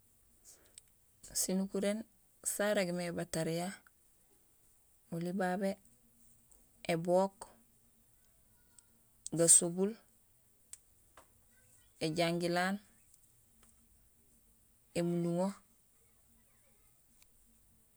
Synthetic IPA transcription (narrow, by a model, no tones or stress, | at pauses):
sinukuɾen | saɾeɡimebataɾija | ulibaːbe | eboːk | ɡasobul | eɟaŋɡilaːn | emuluŋo